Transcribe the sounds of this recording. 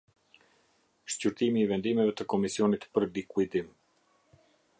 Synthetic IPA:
ʃcyɾt̪imiːvɛnd̪imɛvɛt̪əkɔmisiɔnit̪pəɾlikuid̪im

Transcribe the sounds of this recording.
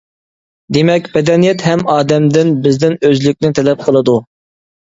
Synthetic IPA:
d̪emɛkʲbɛd̪ɛnijɛt̪ɦɛmɑːd̪ɛmd̪ɪnbɪzd̪ɪnøzlykʲnɪt̪ʰɛlɛp̚qʰəlˠɨd̪u

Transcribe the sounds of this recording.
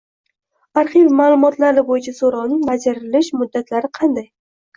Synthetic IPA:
aɾχivmaːlˠʊmɒt̪laɾɪbojɪt͡ʃʰasoɾɒwnɪŋbad͡ʒaɾɪlɪʃmʊd̪ːat̪ʰlaɾɪqʰɑnd̪aj

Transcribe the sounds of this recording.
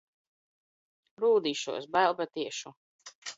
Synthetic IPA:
ɾuːd̪iːʃṵɔsbælˠbat̪iɛʃu

